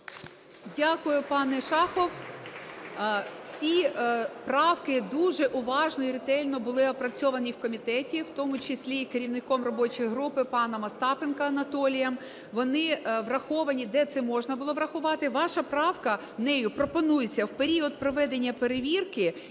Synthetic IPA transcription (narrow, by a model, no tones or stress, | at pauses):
dʲakʊjʊpɑnɛʃɑxɔw | wsʲipɾɑwkɪd̪uʒɛʔʊʋɑʒnɔiɾɪt̪ɛlʲnɔbʊlˠɪɐpɾɐt͡sʲɔʋɐnʲiwkɔmʲit̪ɛtʲiwt̪ɔmʊt͡ʃɪsʲlʲikeɾʲiwnɪkɔmrɔbɔt͡ʃijɦɾupɪpɑnɐmɐst̪ɑpenkɐːnɐt̪ɔlʲijɐm | ʋɔnɪʋrɐxɔʋɐnʲid̪ɛt̪sɛmɔʒnɐbʊlˠɔʋɾɐxʊʋɑt̪ɪʋɑʃɐpɾɑwkɐ | nɛjʊpɾɔpɔnujet͡sʲːɐwpeɾʲiɔd̪̚pɾɔʋɛd̪e̞nʲːɐpeɾeʋʲirkɪ